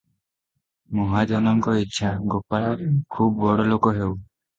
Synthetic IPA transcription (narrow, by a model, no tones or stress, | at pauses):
mɔɦad͡ʒɔnɔŋkɔitːʃʰaɡopaɽɔkʰubbɔɽɔlokɔɦew